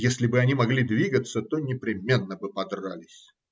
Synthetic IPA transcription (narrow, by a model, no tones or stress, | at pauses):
jesʲlʲɪbɨɐnʲimɐɡlʲid̪vʲiɡət̪sət̪onʲɪpɾʲɪmʲe̞nːəbɨpɐd̪ralʲɪsʲ